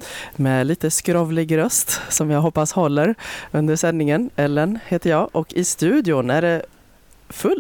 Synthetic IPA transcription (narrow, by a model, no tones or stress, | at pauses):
mɛliːt̪əskɾɔvlɪɡɾœst̪sɔmjɑːɡɦɔpːashɔlːəɾɵnd̪əʂɛnːɪŋənɛlːənheːt̪əɾjɑːʔɔkːɪst̪ʉ̟ːd̪ɪʊnæɖɛ | fɵl